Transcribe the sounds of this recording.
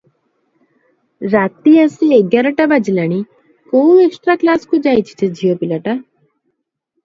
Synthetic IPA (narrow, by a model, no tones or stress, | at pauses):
ɾat̪iəseeɡjaɾəʈabad͡ʑilaɽ̃i | koueksʈɾaklaskud͡ʑajt͡ɕʰi̥t͡ɕʰed͡ʑʱijopilaʈa